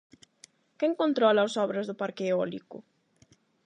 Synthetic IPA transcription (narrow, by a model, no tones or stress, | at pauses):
kɛŋkont̪ɾɔlaːsɔβɾɐzðʊpaɾkeɔlikʊ̰